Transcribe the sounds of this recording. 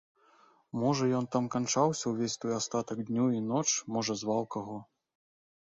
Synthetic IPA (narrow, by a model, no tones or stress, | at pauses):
mɔʐɐjɔnt̪amkant͡ʂawsʲɐwvʲesʲt̪ɔjast̪at̪ɐɡd̪ʲnʲuinɔt͡ʂmɔʐɐzvawkaɣɔ